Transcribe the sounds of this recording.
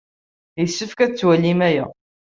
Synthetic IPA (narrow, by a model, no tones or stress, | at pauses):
jəsːəfkæt͡sːwælːimæjæ̰